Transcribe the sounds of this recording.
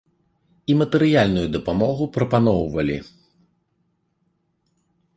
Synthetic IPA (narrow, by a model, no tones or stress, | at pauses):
imɐt̪ɛɾɨjalʲnujud̪ɐpamɔɣupɾɐpanɔwvɐlʲḭ